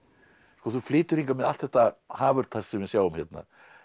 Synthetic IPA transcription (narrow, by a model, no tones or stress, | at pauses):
skɔːθuflɪːt̪ʏɾ̥iŋkamɛðal̥t̪θɛht̪ːahaːvʏɾ̥t̪ʰaɾ̥ssɛmvɪsjaːwʏmçɛt̪na̰